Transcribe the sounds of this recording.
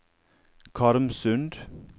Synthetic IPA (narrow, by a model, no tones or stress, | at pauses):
kʰɑɾmsʉnd̪